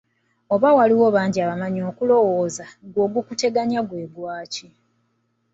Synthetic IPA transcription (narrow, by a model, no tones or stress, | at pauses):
o̞βawaliwo̞βaːɲɟiaβamaɲo̞ːkulo̞wo̞ːzaɡwo̞ːɡukute̞ɡaɲaɡweːɡwaːci